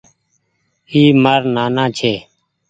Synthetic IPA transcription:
iːməɾnaːnãːt͡ʃʰeː

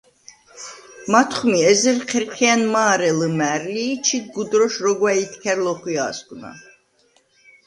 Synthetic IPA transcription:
mat̪ʰχmiɛzɛɾqʰɛɾqʰianmaːɾɛləmæɾliːt͡ʃʰiɡud̪ɾɔʃɾɔɡwait̪ʰkʰɛɾlɔχwia̰ːsɡna̰

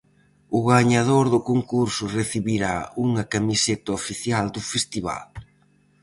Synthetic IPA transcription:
ʊɣaɲað̞oɾðʊkoŋkuɾsʊreθiβiɾauŋɐkamiset̪ɐofiθjald̪ʊfest̪iβa̰l

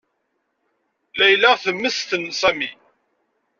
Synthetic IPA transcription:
læjlæʁθəmːəsθənsæmi

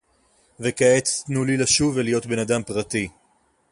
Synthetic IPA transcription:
vekaet͡snulilaʃuvelijo̞tbe̞nadampʁat̪i

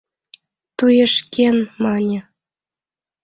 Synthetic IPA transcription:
t̪ujeʃkenmɑnʲĕ

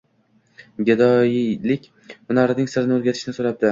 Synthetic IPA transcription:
ɡʲɪd̪ɒjlɪkʲ | ʊnɒɾɪnɪŋsɪɾɪnɪoɾɡʲat̪ʰɪ̥ʃnɪsoɾap̚d̪ɪ

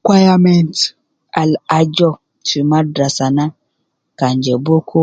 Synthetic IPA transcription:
kʷwajamɛnt | alad͡ʒɔ | timadɾasana | kaɲd͡ʒɛbokʰo

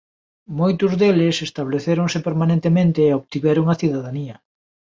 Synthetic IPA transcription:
mojt̪ʊzðelɪsest̪aβleθeɾoŋsepeɾmanẽnt̪emẽnt̪eːoβt̪iβɛɾoŋɐθiðaðaniɐ

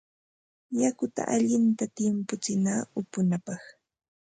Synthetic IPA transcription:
jakʊt̪a̰ʔaʎɪnt̪at̪ɪmpʊt͡sɪnaːʊpʊnapɑχ

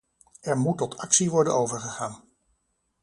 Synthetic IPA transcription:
ɛɹmutːɔtɑksiʋɔɹdənowvəɹχəχaːn

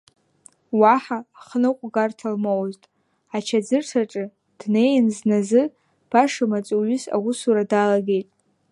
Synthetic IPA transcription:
waħaːχnɨqʷʼɡartʰalmowztʼ | at͡ʃʰad͡zɨrʈ͡ʂʰaʈ͡ʂʼɨ | d̥ne̞jnznazɨ | b̥aʂɨmat͡sʼuɥʏsa̰wʊsuɾadalaɡʲe̞jtʼ

